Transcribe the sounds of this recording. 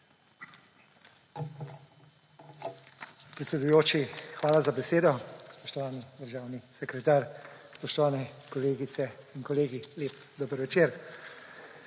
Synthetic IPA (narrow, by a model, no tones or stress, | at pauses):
pɾɛt̪sʲɛd̪ujoːt͡ʃixʋaːlazabɛseːd̪ɔspɔʃt̪ɔʋaːnid̪əɾʒaːwnisɛkɾɛt̪aːɾspɔʃt̪ɔʋaːnɛkɔleːɡit̪sɛinkɔleːɡileːp | d̪oːbəɾʋɛt͡ʃeːɾ